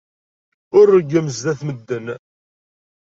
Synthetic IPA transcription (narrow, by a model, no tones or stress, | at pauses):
ʊɾːəɡːæməzðæθməd̪ːən